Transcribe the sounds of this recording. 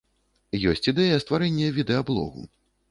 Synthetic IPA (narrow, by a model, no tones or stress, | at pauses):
jɔsʲt͡sʲid̪ɛjɐst̪vaɾɛnʲːɛvʲid̪ɛablˠɔ̰ɣṵ